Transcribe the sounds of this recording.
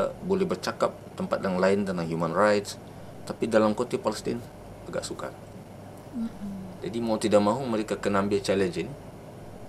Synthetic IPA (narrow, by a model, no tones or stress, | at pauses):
bolɛhbərt͡ʃakap̚t̪əmpat̪̚jaŋlaɪndanlaŋɦjumanrajt̪s | t̪apidalamkot̪ipaləst̪ɪ̰n | aɡaʔsuka̰ | d͡ʒadimaut̪idaʔ̚maɦuməɾekakənambɛt͡ʃɛlɛnd͡ʒin